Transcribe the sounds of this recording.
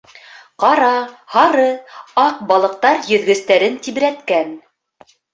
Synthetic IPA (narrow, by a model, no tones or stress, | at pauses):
qɑɾɑhɑɾɤɑq̚bɑlˠɤ̆q̚t̪ɑɾjɵ̆ðɡɵ̆st̪æɾɘnt̪iβɘ̆ɾæt̪kæn